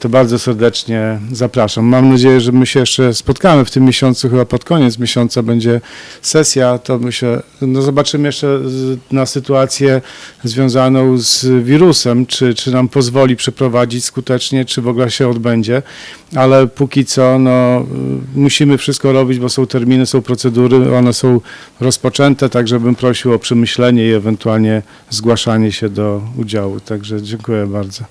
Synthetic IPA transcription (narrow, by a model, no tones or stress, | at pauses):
t̪ɔbaɾdzɔsɛɾd̪ɛt͡ʂɲɛzapɾaʂamːamnad͡ʑejɛʐɛmɘɕɛjɛʂt͡ʂɛspɔt̪kamɘft̪ɘmːjeɕɔnt̪suxɘbapɔt̪kɔɲɛt̪s̬mʲjeɕɔnt̪sabɛɲd͡ʑɛsɛsʲjat̪ɔmɘɕɛnɔzɔbat͡ʂɘmɘjɛʂt͡ʂɛnasɘt̪uat̪sʲjɛzvʲjɔ̃w̃zanɔ̃w̃zvʲiɾusɛmt͡ʂɘt͡ʂɘnampɔzvɔlʲipʂɛpɾɔvad͡ʑit͡ɕskut̪ɛt͡ʂɲɛt͡ʂɘvɔɡlɛɕɛɔd̪bɛɲd͡ʑɛ | alɛpukʲit̪sɔnɔ | muɕimɘfʂɘst̪̚kɔɾɔbʲid͡ʑbɔsɔ̃w̃t̪ɛɾmʲinɘsɔ̃w̃pɾɔt̪sɛd̪uɾɘɔnɛsɔ̃w̃ | ɾɔspɔt͡ʂɛnt̪ɛt̪aɡʐɛbɘmpɾɔɕiwɔpʂɛmɘɕlɛɲɛiɛvɛnt̪ualɲɛ | zɡwaʂaɲɛɕɛd̪ɔud͡ʑawut̪aɡʐɛd͡ʑɛŋkujɛbaɾd̪zɔ